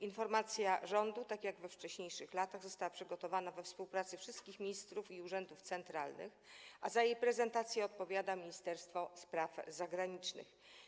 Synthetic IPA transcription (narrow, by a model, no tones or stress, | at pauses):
infɔɾmat̪sʲjaʐɔnd̪ut̪akʲjaɡvɛft͡ʂɛɕɲejʂɘxlat̪aɣzɔst̪awapʂɘɡɔt̪ɔvanavɛfspuwpɾat̪sɘfʂɘst̪̚kʲixmʲiɲist̪ɾufiuʐɛnd̪uft̪sɛnt̪ɾalnɘ̰xʔazajejpɾɛzɛnt̪at̪sʲjɛɔt̪̚pɔvʲjad̪amʲiɲist̪ɛɾst̪fɔspɾafzaɡɾaɲit͡ʂnɘ̰x